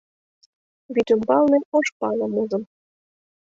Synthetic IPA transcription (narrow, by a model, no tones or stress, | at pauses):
βit̪ymbɑlˠneoʃpɑlɤ̆muzɤ̆m